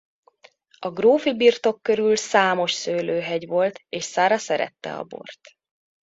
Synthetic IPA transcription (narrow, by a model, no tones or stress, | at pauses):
ɒɡroːfibirt̪o̞kːø̞ɾylsaːmo̞ʃsøːløːɦɛɟʋo̞lt̪eːʃsaːɾɒsɛɾɛ̰t̪ːɛ̰ɒ̰bo̞̰rt̪